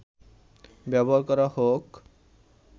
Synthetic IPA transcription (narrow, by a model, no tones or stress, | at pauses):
bɛbɔɦaɾkɔɾahok